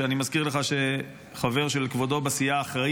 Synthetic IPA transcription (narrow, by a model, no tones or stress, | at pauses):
eanimazkiʁleχaʃe̞ | χave̞ʁʃe̞lkvo̞d̪o̞basijaːχʁa